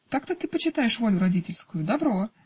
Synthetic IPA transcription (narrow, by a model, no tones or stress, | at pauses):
t̪akt̪ət̪ɨpət͡ɕɪt̪ajɪʂvo̞lʲʊɾɐdʲitʲɪlʲskʊjʊd̪ɐbɾo